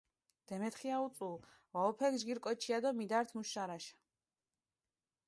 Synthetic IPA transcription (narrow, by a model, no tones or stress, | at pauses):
d̪̥ɛmɛt̪χiaut̪sʼul | vaɔpʰɛɡʒɡiɾkʼɔt͡ʃʰiad̪ɔmid̪aɾt̪ʰmuʃaɾaʃḁ